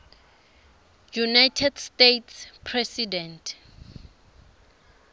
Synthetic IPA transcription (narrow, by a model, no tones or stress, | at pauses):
junajtʰɛdstetʰspʰrɛsidɛntʰ